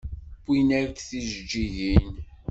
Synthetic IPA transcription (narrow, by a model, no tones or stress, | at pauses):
binæɾkθiʒd͡ʒːiʝin